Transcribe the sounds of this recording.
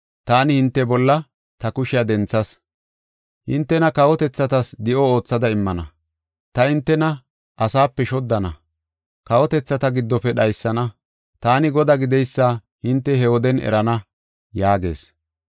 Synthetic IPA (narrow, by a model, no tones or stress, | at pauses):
t̪aːnɪhɪnt̪ːɛbɔlːɐ | t̪ɐkʊʃɪjad̪ɛnt͡sːɐs | hɪnt̪ːɛnɐkɐwɔt̪ɛt͡sːɐt̪ɐsd̪ɪʔɔo̞ːt͡sːɐd̪ɐɪmːɐnɐ̰ | t̪ɐhɪnt̪ːɛnɐ | ʔɐsaːpːɛʃɔd̪ːɐnɐ̰ | kɐwɔt̪ɛt͡sːɐt̪ɐɡɪd̪ːɔpɛɗɐjsːɐnɐ | t̪aːnɪɡɔd̪aːɡɪd̪ɛjsːa | hɪnt̪ːɛhɛwɔd̪ɛnɛ̰ɾɐnɐ | jaːɡe̞̰ːs